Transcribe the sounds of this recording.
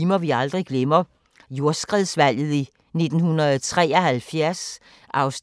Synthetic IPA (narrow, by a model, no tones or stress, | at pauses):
imɐʋiɑ̈ld̥ʁiɡ̥lemɐ | jo̝ɐsɡ̥ʁɛðˠsʋæl̰ð̩ˠi | ne̝d̥n̩hunɐð̩ˠɒt͡sʰʁɛ̰ːɒhælfjæɐs | ʔɑ̈ʊs